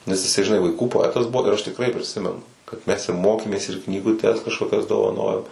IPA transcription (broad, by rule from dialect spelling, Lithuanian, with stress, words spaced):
nʲɛs jɪˈsɐɪ ʒʲɪˈnɐɪ ʋɐɪˈkuː poːˈæːtɐs ˈbuɔ ɪr ˈɐʃ tʲɪkˈrɐɪ pʲrʲɪˈsʲɪmʲɛnʊ kɐt ˈmʲɛs ɪ ˈmoːkʲeːmʲeːs ɪr knʲiːɡʊˈtʲɛs kɐʃkoːˈkʲɛs doːʋɐˈnoːjoːm